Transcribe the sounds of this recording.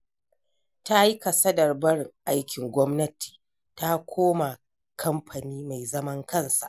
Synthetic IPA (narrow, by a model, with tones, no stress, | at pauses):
ta˦ji˦ka˨sɐ˦dɐ˨rbɐ˦ɽɪ˨ŋʔa˦jkʲɪ˨ŋɡʷɔ˦mnɐ˦tʰi̥ː˨ | ta˦kʷʰoː˦ma˨ | kʰɐ˦mɸʰa˨niː˦ma˨jzɐ˦mɐ˦ŋkʰɐ˦˨nsa̰˨ʔ